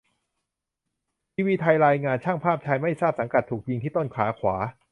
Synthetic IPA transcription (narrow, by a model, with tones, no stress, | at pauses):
t̪ʰiː˧wiː˧t̪ʰa˧jɾaː˧jŋaː˧nt͡ɕʰaː˥˩ŋpʰaː˥˩p̚t͡ɕʰa˧jma˥˩jsaː˥˩p̚sa˩˦ŋka˨˩t̪ʰːuː˨˩k̚ji˧ŋt̪ʰiː˥˩t̪o˥˩nkʰaː˩˦˥kʰwaː˩˦